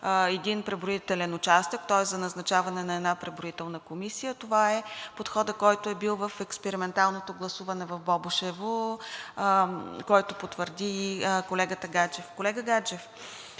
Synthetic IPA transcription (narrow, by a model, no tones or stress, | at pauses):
ɛd̪inpɾɛbɾoit̪ɛlɛnʊt͡ʃast̪əkt̪ɔɛszɐnɐznɐt͡ʃavɐnɛdnɐɛd̪napɾɛbɾoit̪ɛlˠnəkomisijət̪ovaɛpot̪xɔd̪əkɔjt̪ʊɛbilˠvɐfɛkspɛɾimɛnt̪alˠnot̪oɡlˠɐsuvɐnɛvɐvbɔbʊʃɛvo | kɔjt̪opot̪vəɾd̪ikolɛɡət̪əɡat͡ʃɛfkolɛɡəɡat͡ʃɛf